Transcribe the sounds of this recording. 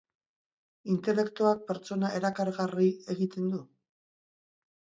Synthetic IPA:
int̪e̞le̞kt̪uak̚pe̞ɾt͡so̞nae̞ɾakaɾɣarie̞ɣit̪e̞nd̪u

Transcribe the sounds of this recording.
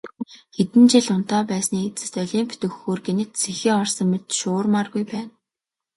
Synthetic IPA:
xet̪ɘ̆nt͡ɕiɮʊn̥t̪aːpæːsniːet͡sɘ̆st̪œɮʲiːmpʰt̪ɵ̆xːoːrɡenɘ̆t̪t͡sʰexiːɔrsə̆ŋmet̪ʃʊːrmaːrɣujpæːn

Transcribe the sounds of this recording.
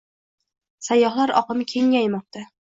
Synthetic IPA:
sajːɒhlˠaɾɒ̰qɨmkʲʰe̞ŋːajmɒq̚t̪ʰa

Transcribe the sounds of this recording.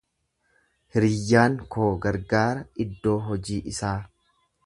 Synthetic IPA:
hɪɾɪjːaːŋko̞ːɡɐɾɡaːɾɐɪd̪ːo̞ːɦɔd͡ʒiːʔɪsaː

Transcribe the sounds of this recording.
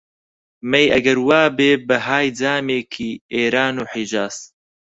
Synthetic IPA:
mɛjɐɡɐɾwaːbeːbɨɦaːjd͡zaːmeːkʰiːeːɾaːnuːħid͡ʒaːs

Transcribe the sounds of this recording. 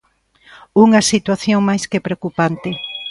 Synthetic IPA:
uŋɐsit̪waθjoŋmajskepɾeokupant̪ɪ

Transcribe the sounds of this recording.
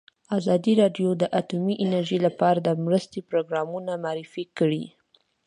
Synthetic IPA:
azɑd̪iɾɑɖjod̪əʔat̪umiʔɪnaɾʒilapɑɾad̪əmɾəst̪ipɾoɡɾɑmunamaɾɪfikəɽi

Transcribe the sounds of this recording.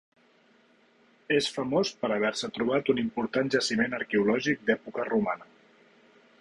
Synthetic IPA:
esfəmospəɾəβ̞ɛɾsət̪ɾuβ̞at̪unimpuɾt̪anʒəsimenəɾkɛulɔʒik̚d̪ɛpukərumanə

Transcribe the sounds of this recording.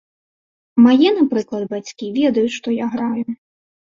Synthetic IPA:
majɛnapɾɨklˠɐd̪bat͡sʲkʲivʲɛd̪ɐjut͡sʲʂt̪ɔjaɣɾajʊ

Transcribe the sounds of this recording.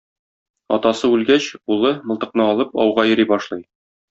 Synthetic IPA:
ɒ̰t̪ɑsɤʉlɡæɕulˠɤmɤ̆lˠt̪ɤ̆qnɤɒlˠɤpɒ̰wʁɑjɤ̆ɾibɒʃlˠɤj

